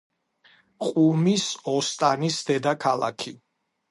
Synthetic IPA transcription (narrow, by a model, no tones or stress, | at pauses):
qʼumisɔst̪ʼanisd̪ɛd̪akʰala̰kʰi